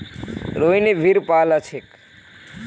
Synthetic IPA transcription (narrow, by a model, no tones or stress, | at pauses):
ɾoineʋʱiɾpaːlət͡ʃʰek